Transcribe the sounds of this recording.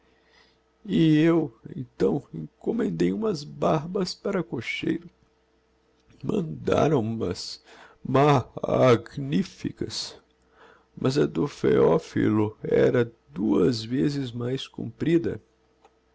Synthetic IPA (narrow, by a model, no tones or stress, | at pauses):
ɪewẽnt̪ɐ̃w̃ẽŋkomẽnd̪ejũmɐzbaɾbɐspaɾɐkoʃejɾʊ | mɐ̰̃nd̪a̰ɾɐ̃w̃umɐzma | ɡnifḭkɐs | mʔɐzɐd̪ofḛɔfḭlʊɛɾɐd̪uɐzvezɪzmajskṵ̃mpɾid̪ɐ̰